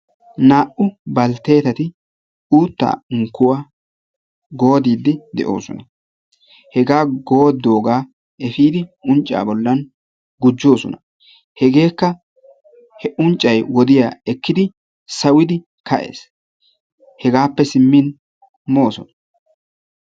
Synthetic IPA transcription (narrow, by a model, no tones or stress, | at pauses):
naːʔʊbɐlt̪e̞ːt̪ɐt̪ɪ | uːt̪ːa̰ːʊŋkːʊwa | ɡo̞ːd̪iːd̪ːɪd̪ɛ̰ʔo̞̰ːsɔ̰nɐ | hɛɡaːɡo̞ːd̪ːo̞ːɡaː | ʔɛfiːd̪ɪʔʊnt͡ʃʼːa̰ːbɔlːɐn | ɡʊd͡ʒːo̞ːsɔ̰nɐ | hɛɡe̞ːkːɐ | hɛʔʊnt͡ʃʼːɐjwɔd̪ɪjaːɛkːɪd̪ɪ | sɐwɪd̪ɪ | kʰɐʔe̞̰ːs | hɛɡaːpːɛsɪmːɪn | mo̞ːsɔnɐ̥